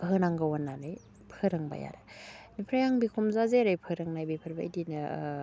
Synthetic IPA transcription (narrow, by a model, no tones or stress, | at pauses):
ɦɯnaŋɡawanːanɯj | pʰɯɾɯŋba̰ja̰ɾenipʰɾajaŋbikʰumzazeɾajpʰɯɾɯŋnajbipʰɯɾbaidinɯ